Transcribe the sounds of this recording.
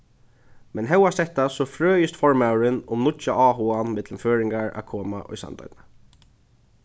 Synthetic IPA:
mɛnɦɛwasɛt̪asɔfɹøːjʏst̪fɔɹmawɾɪnʊmnʊt͡ʃaɑːɦuanmɪt̪lmføːɹɪŋɡaɹa̰kʰoːma̰ʔɔ̰jsa̰nt̪a̰jt̪na

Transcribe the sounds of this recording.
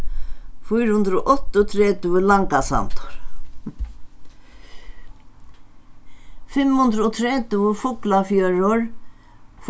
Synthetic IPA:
fujɾhʊnd̪ɾɔʔɔt̪ːʊt̪ʰɾɛːt̪ɪvɪlaŋkasa̰nt̪ʊ̥ɾ̥ | fɪmhʊnd̪ɾʊɔt̪ʰɾɛːt̪ʊvɪfʊklafjœːɾʊɾ | f

